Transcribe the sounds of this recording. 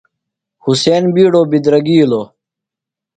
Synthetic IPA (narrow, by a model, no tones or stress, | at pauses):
huseːnbiːɽoːbid̪ɾɐɡiːloː